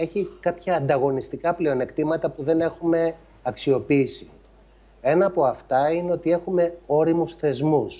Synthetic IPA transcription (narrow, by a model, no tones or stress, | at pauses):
e̞çikɐpçɐːnd̪ɐɣo̞nist̪ikɐple̞o̞ne̞kt̪imɐt̪ɐpuðe̞ne̞xume̞ | ɐksio̞piisi̥ | e̞nɐːpo̞ɐft̪ɐineo̞t̪ie̞xume̞o̞ɾimusθe̞zmus